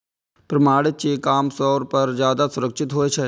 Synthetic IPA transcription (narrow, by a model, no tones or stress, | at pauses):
pɾɐmaːɽɪt͡ʃeːkaːmsɔːɾpɐɾzjaːd̪asʊɾəkʃʰɪt̪ɦoːet͡ʃʰɛ